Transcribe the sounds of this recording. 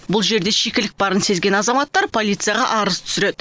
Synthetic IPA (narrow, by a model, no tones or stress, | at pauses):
bʊlˠʒe̞ɾd̪e̞ʃekʲɪlɪk̚bɑɾənse̞zɡʲe̞nɑzɑmɑt̪ːɑɾpʰo̞lʲˠijt̪sɨjɑʁɑ̰ʔɑɾəzt̪ʰʏ̥sɪɾe̞d̪